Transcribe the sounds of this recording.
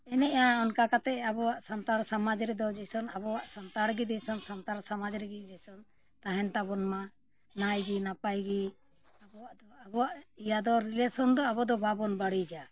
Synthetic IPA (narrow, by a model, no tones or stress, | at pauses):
ɛnɛʔãɔnkakat̪ɛabɔwaʔsant̪aɾsamad͡ʒɾɛd̪ɔd͡ʒɛsɔnabɔwaʔsant̪aɾɡid̪ɛsɔnsant̪aɾsamad͡ʒɾɛɡid͡ʒɛsɔn | t̪aɦɛnt̪abɔnma | najɡinapajɡi | abɔwaʔd̪ɔabɔwaʔijad̪ɔɾilɛsɔnd̪ɔabɔd̪ɔbabɔnbaɽid͡ʒa